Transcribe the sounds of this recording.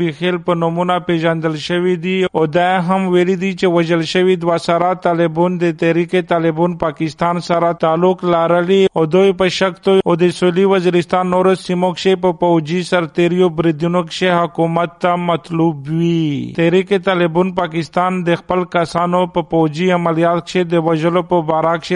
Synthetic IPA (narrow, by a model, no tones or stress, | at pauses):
ixelpənʊmunapeʒand̪əlʃəwid̪iod̪ajaɦamwelid̪it͡ʃewaʒəlʃəwid̪wasaɾat̪alɪbund̪ət̪aɾiket̪alɪbunpakɪst̪ɑnsaɾat̪alʊklaɾəliod̪ojpəʃakt̪ood̪əsuliwɐziɾist̪anːoɾosimokʃepəpowd͡ʒisaɾt̪eɾjobɾid̪unokʃeɦʊkumat̪ːamɐt̪lubwit̪aɾiket̪alebunpakɪst̪and̪əxpəlkasanopəpowd͡ʒiamalijɑt̪kʃed̪əwaʒəlopəbaɾakʃe